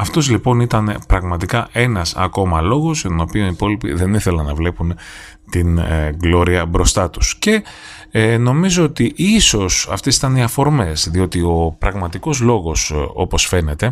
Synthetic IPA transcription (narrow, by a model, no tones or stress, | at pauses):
ɐft̪o̞zlipo̞nit̪ɐnpɾɐɣmɐt̪ikɐʔe̞nɐsɐ̰ko̞mɐlo̞ɣo̞zʝɐt̪ono̞pionipo̞lipḭðe̞niθe̞lɐnɐvle̞pun | t̪inɡlo̞ɾiɐbɾo̞st̪ɐt̪u̥sce̞ | no̞mizo̞ot̪iʔiso̞sɐ̰ft̪esi̥t̪ɐniɐfo̞ɾme̞sðio̞t̪io̞pɾɐɣmɐt̪iko̞zlo̞ɣo̞so̞po̞sfe̞ne̞t̪e̞